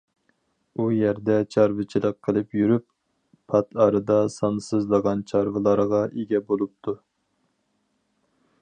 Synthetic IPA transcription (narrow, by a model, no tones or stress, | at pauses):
ujɛɾd̪ɛt͡ʃʰɑɾvɨt͡ʃʰilˠəqʰːəlˠɨpjyɾypːʰ | ɑt̪ɑɾɨd̪ɑsɑnsɨzlˠəʁɑnt͡ʃʰɑɾvɨlˠɑɾʁɑʔeɡʲɛbolˠup̚t̪ʰu